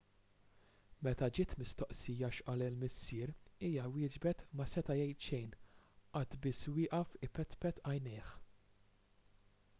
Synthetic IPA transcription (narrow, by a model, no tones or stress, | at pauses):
mɛt̪ɐd͡ʒɪːt̪mɪst̪ɔʔsiːjɐʃʔɐːlɪlmɪsːɪːɾiːjɐwɪːd͡ʒbɛt̪mɐsɛt̪ɐjɛjt̪ʃɛjnʔɐt̪bɪswɪːʔɐfɪpɛt̪pɛt̪ɐjnɪːħ